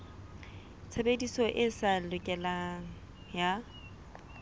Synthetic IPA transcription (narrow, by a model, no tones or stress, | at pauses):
t͡sʰabedisɔʔɪsalʊkʼɛlaŋ̩ | ja